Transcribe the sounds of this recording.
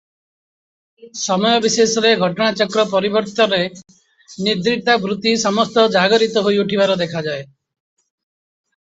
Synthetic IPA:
sɔmɔjɔbisesɔɾeɡʱɔʈɔɽ̃at͡ʃɔkɾɔpɔɾibɔɾt̪ɔɾe | nid̪ɾit̪abɾut̪isɔmɔst̪ɔd͡ʒaɡɔɾit̪ɔɦojuʈʰibaɾɔd̪ekʰad͡ʒae

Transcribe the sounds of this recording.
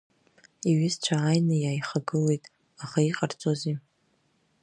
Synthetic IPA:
iɥɪst͡ʃʷʰaːjnɨjaːjχaɡɨle̞jtʼ | aχaiqʼart͡sʼozi

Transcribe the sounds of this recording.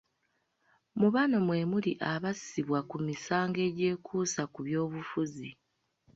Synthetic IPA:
muβano̞mwe̞muliʔaβasiβwakumisaːŋɡe̞ɟe̞ːkʰuːsakuβjo̞ːβufuzi

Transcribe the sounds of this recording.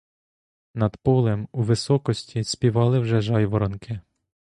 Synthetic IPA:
nɐd̪pɔlˠemuʋɪsɔkɔsʲtʲisʲpʲiʋɑlˠɪwʒɛʒɑjʋɔɾɔnkɪ

